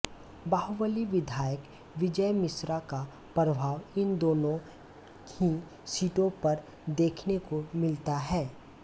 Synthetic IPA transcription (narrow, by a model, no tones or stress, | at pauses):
baːɦuʋəliʋɪd̪ʱaːjək | ʋɪd͡ʒəjmɪsɾaka | pɾəbʱaːʋɪnd̪oːnõ | hĩ | siːʈõpɐɾ | d̪eːkʰnekomɪlt̪aɦɛː